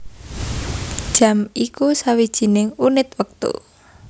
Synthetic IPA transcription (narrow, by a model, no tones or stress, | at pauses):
d̥ʒ̥ä̤mikusawid̥ʒ̥i̤nɪŋunɪt̪wək̚t̪ṵ